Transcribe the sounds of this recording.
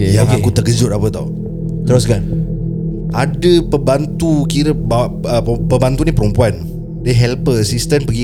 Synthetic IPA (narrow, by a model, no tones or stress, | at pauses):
jaokekut̪əɡəd͡ʒʊʔapət̪a̰w | t̪əɾosɡan | ʔadəpəbant̪ukiɾəbəpəbant̪unĩpəɾumpuan | deɦɛlpəsist̪ənpəɡi